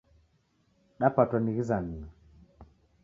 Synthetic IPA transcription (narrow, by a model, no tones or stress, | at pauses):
ɗapatɔniɣizanini